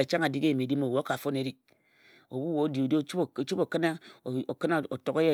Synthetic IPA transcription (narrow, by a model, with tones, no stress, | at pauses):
a˨t͡ʃa˦ŋa˨di˦ke˦˨m˨e˨di˦mo˨wo˨˦o˦ka˨fo˦ne˨ɾi˨ | o˨bu˦wo˨˦di˨o˨dt͡ʃu˦bo˨ke˦na˦˨o˨ke˦na˦˨o˨to˨ke˦je˦